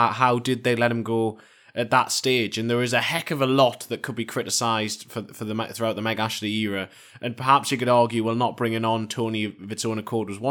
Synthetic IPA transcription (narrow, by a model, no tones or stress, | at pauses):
haʊdɪd̪̚ðeɪlɛt̚hɪ̃mɡoʊ | ʔət̪̚ðətsteːd͡ʒɨ̃nðə˞ɪzəhɛkəvəlɔʔðəʔ̚kʰəd̚bikʰɹ̥ɪɾɪsaɪzd̥fəfəðəmɛθɹʉaʊʔ̪̚ðəmɛɡaʃəvðijiɹə | ʔə̃npʰə˞hapsjikɨɾɑɹɡjʉwɪlˠnəʔ̚b̥ɹɪ̃ŋɪ̃nə̃ntʰoʊniʌvɨtsõnəkʰɔːɹd̚wʌzwʌ̃